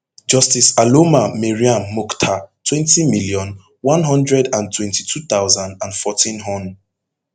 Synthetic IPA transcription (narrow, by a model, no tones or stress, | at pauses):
d͡ʒɔstisalomamɛɹiãmːɔktʰatʰwɛ̃ntimiljɔ̃n | wɔ̃nɦɔ̃ndɹɛdãntʰwɛ̃ntitʰuθaʊzãndãnfɔtʰĩnɦɔ̃n